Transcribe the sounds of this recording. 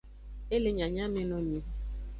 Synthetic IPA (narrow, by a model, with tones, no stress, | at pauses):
e˦le˦ɲã˨ɲã˦me˦nɔ̃˦mĩ˦